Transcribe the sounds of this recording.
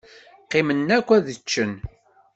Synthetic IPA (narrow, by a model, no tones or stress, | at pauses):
qːimənːækʷːæðət͡ʃːən